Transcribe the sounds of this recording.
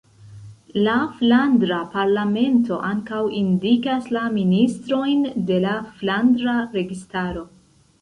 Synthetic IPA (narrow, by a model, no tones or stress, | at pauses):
laflandɾapaɾlame̞nto̞ʔaŋkawindikaslaministɾo̞jnde̞laflandɾaɾe̞ɡistaɾo̞